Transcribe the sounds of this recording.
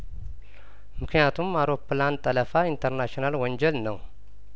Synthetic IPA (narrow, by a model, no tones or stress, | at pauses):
mɨkʰnijat̪ʰumawɾo̞pːlant̪ʼələfaint̪ʰəɾnaʃionalwɔɲd͡ʒɛlnəw